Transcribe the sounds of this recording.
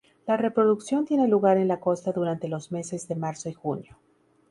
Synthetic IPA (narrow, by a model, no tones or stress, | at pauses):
lare̞pɾo̞ðuksjo̞nt̪je̞neluɣaɾe̞nlako̞st̪aðuɾant̪e̞lo̞zme̞se̞zðe̞maɾso̞ixunjo̞